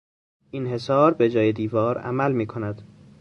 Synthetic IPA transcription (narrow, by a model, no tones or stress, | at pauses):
ʔinhe̞sɒːɾbed͡ʒɒːjed̪iːvɒːɾæ̰mælmiːkʰo̞næd̪̥